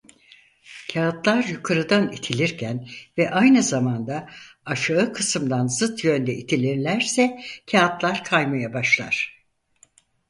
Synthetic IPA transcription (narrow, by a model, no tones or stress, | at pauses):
cʰaːt̪lˠaɾjukʰaɾɯd̪anit̪ʰilʲiɾcʰænvɛʔajnɯzamand̪aː | ʃaɯkʰɯsɯmd̪anzɯt̪ʰjø̞nd̪ɛʔit̪ʰilʲiɾlʲæɾsɛcʰaːt̪lˠaɾkʰajmajabaʃlˠa̰ɾ̥